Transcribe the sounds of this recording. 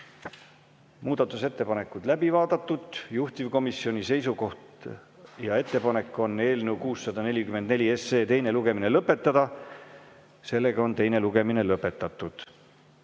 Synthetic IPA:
muːd̪̥ɑt̪ːˑuse̞t̪ːe̞pɑne̞kːˑud̪̥læbivɑːd̪̥ɑt̪ːud̪̥juht̪ivko̞misio̞nʲise̞jsuko̞ht̪ | jɑe̞t̪ːe̞pɑne̞kːˑo̞nːe̞ːlneuwkuːsːɑd̪̥ɑne̞lʲikymend̪ne̞lʲie̞se̞ːt̪e̞jne̞luɡ̥e̞mine̞lɤpːˑe̞t̪ːˑɑd̪̥ɑ | se̞lːe̞ɡ̥ɑo̞nt̪e̞jne̞luɡ̥e̞minelɤpːˑe̞t̪ːˑɑt̪ːˑud̪̥

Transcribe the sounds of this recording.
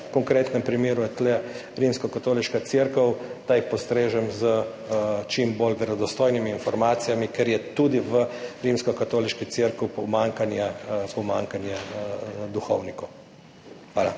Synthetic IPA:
kɔŋkɾeːt̪nɛmpɾimeːɾuɛt̪lɛ | ɾimskɔkat̪oːliʃkat̪siɾkɔwt̪ajpɔst̪ɾeːʒɛmzə | t͡ʃimboːlʋɛɾɔd̪ɔst̪oːjnimiːnfɔɾmaːt̪sijamikɛɾjɛt̪uːd̪iʋəɾimskɔkat̪oːliʃkit̪siɾkwpɔmaŋkanjɛpɔmaːŋkanjɛ | d̪uxɔ̰wnikɔw | xʋaːla

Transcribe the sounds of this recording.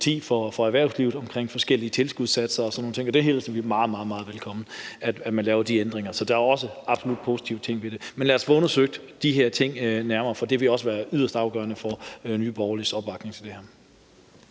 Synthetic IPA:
t͡sʰḭːfɒ̽fɒ̽æɐʋæɐʊsliʊð̩ˠɒ̽mkʰʁeŋ̰fɒ̽sɡ̥el̰iət͡sʰe̝lsɡ̥uðˠsæd̥sɐɒ̽sɒ̽nːoːn̩t͡sʰe̝ŋɒ̽d̥ehɦeːlsɒʋimɑ̈ːð̩ˠmɑ̈ːðˠmɑ̈ːð̩ˠʋelkʰɒ̽m̰n̩æd̥æd̥mænlɛːʊɐd̥iend̥ʁeŋɐsɒ̽d̥ɑ̈æɐɒ̽səɑ̈b̥so̝lud̥̚pʰo̝ːsi̥t͡sʰiʊ̥t͡sʰe̝ŋ̰ʋe̝d̥e̝menlæːɐsʋ̥ɔ̽nɐsøɡ̥̚d̥d̥iɦeɐ̰t͡sʰe̝ŋ̰næɐmɐːfɒ̽d̥e̝ʋe̝ɒ̽səʋæːɐʔyð̰ˠɐsd̥ɑ̈ʊɡ̥ɶːɐnəfɒnyːb̥ɒʊlisɒ̽b̥ʋɑ̈ɡ̥ne̝ŋt͡sʰe̝d̥e̝hæɐ̰

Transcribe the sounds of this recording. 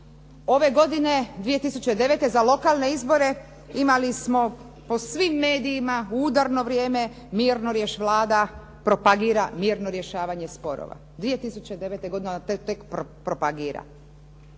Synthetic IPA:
o̞ʋe̞ɡo̞d̪ine̞d̪ʋije̞t̪isut͡ɕed̪e̞ʋe̞t̪e̞zalo̞kalˠne̞izbo̞ɾe̞ | imalismo̞ | po̞sʋimːe̞ːd̪iːmauːd̪aɾno̞ʋɾje̞ːme̞ | miːɾnoɾjeʃʋlˠaːd̪a | pɾo̞paɡiːɾamiːɾno̞ɾje̞ʃaːʋaɲespo̞ɾo̰ʋa̰ | d̪ʋije̞t̪isut͡ɕe̞d̪e̞ʋet̪e̞ɡo̞d̪int̪t̪ekpopɾo̞paɡiːɾa̰

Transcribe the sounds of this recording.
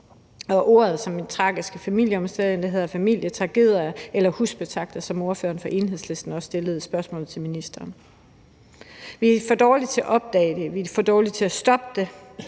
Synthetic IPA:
ɒ̽ʔo̝̰ːɐ̰ð̞ˠsɒ̽mːint͡sʰʁɑ̈ːɡ̥isɡ̥əfæmil̰jəɒ̽msd̥eð̰ˠend̥eɦe̝ðˠɐfæmil̰jət͡sʰʁɑ̈ɡ̥e̝ðˠɐelɐhusb̥e̝t͡sʰʁɑ̈ɡ̥̚d̥ɐsɒ̽mo̝ɐfø̰ːɐnfɒ̽ʔe̝ːnɦe̝sle̝sd̥n̩ɒ̽sːd̥e̝ləð̞̩ˠsb̥ɶɐsmɔ̰ːl̩ˠt͡sʰe̝lminisd̥ɐːn | ʋifɒd̥ɒːli̥t͡sʰe̝æʔɒ̽b̥̚d̥ɛ̰ːɪd̥e̝ʋifɒd̥ɒːlit͡sʰe̝æsd̥ɒ̽b̥əd̥e̝

